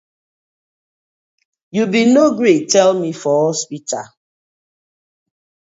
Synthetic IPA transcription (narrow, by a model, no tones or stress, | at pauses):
jubinoɡɹetɛlmifɔhɔspita